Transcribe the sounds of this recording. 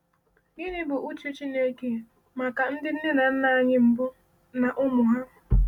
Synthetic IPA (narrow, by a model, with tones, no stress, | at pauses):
ni˦nɪ˦bʊ˨ʔu˦t͡ʃu˦t͡ʃi˦ne˦ke˨ | ma˨ka˨n̩˦dɪ˦n̩˦ne˦na˨n̩˦na˦ɲɪ˦m̩˨bʊ˦ | na˨ʔʊ˦mʊ˨ɦa˦